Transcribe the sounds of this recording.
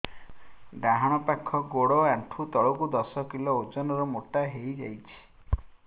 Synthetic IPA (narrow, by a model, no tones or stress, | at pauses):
ɖaɦaɽ̃ɔpakʰːɔɡoɽɔaɳʈʰut̪ɔɭɔkud̪ɔsɔkilɔod͡ʒɔnɔɾɔmoʈaɦejd͡ʒa̰jt͡ʃʰi̥